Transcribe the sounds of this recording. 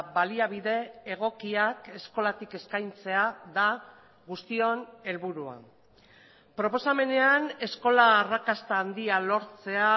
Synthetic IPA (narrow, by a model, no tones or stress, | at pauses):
baliaβiðe̞ːɣ̞o̞kiake̞sko̞lat̪ike̞skajnt͡se̞aða | ɣust̪io̞ne̞lβuɾua̰ | pɾo̞po̞same̞ne̞ane̞sko̞laːrakast̪aːnd̪ialo̞ɾt͡se̞a